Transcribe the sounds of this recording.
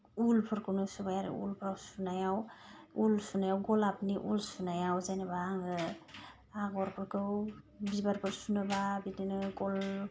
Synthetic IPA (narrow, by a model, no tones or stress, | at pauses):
ulpʰɯɾkʰɯwnɯsubajaɾḭṵlpʰsunajawulsunajawɡɔlapniʔulsunajawzajnɯbaŋɯ | aɡɔɾpʰɯɾkʰɯw | bibaɾpʰɯɾsunɯbabininɯɡɔl